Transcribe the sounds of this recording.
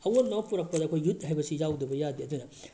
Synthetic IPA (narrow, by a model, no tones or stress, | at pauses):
ɐwonopuɾɐk̚pɐdɐkʰojːut̚ɦajbɐsizawdɐbɐjadiɐdunɐ